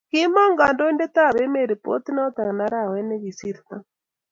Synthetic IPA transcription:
ki˦ma˦ŋɡa˨ndɔ˦i˦ndɛ˦t̪a˦˨βɛ˦mɛ˦˨ɾi˨pɔ̰˦ti˦na˦ɔ˦t̪a˨ɣna˦ɾa˦˨wɛ˦nɛ˦ɣi˨si˦ɾka

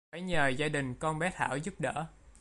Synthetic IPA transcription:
faː˧˩jɲəː˨˩zaː˧ɗï˨˩ŋ̟kɔ˧nɓɛ˦˥t̪ʰa̰ː˧˩wzu˦˥p̚ɗə̰ː˧˥˨

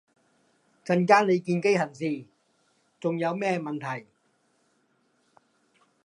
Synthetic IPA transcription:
t͡ɕʰa˧˥nkaː˥nle˨˧jki˧nka˥˩jha˨˩nsiː˧˩ | t͡ɕo˧ŋja˨˥wmɛː˥˩ma˧nt̪ʰa˨˩j

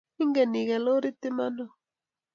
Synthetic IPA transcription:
i˦ŋɡɛ˨ni˨ɣɛ˨lo˦ɾi˦t̪i˦ma˦nɔ˦˨

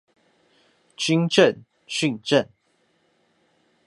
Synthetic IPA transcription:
t͡ɕi˥˦ŋʈ͡ʂə˥˨n | ɕy˥˨ŋʈ͡ʂə˥˨n

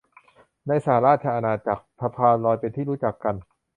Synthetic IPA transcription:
na˧jsaː˩˦ɾaː˥˩t̪̚t͡ɕʰa˧ʔa˧naː˧t͡ɕa˨˩k̚pʰɾa˧pʰaː˧nɾɔː˧jpe˧nt̪ʰiː˥˩ɾuː˦˥t͡ɕa˨˩kːa˧n

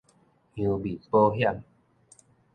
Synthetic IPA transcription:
ũ˨˧bi˨˩po˦ɦja˥˧˨m

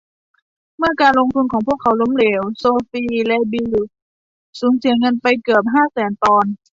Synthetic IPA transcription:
mɯ˧˥˩ɐkaː˧nlo˧ŋt̪ʰu˧nkʰɔː˨˩˦ŋpʰu˥˩əkʰːa˧˦wlo˧˥˨mleː˨˦wsoː˧fiː˧lɛ˧bi˧w | suː˨˩˦ŋsi˨˩˦əŋɤ˧˥˨npa˧jkɯ˨˩əp̚ɦaː˥˩˨sɛː˨˦nt̪ɔː˧n

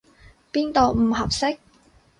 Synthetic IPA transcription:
piː˥nt̪o˨˧wm̩˨˩ɦɐ˨˩p̚sɪ˥k̚

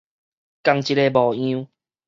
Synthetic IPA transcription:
ka˧ŋt͡ɕi˧le˧bɔ˨˩ĩ˦

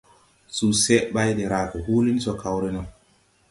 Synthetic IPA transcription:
su˨se˦ʔɓa˦jde˨ɾa˨ke˨hu˦li˦n˦so˨ka˨wɾe˦na˨

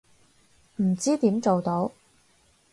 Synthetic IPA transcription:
m̩˨˩t͡siː˥t̪iː˨˥mt͡ʃo˨wt̪o˧w

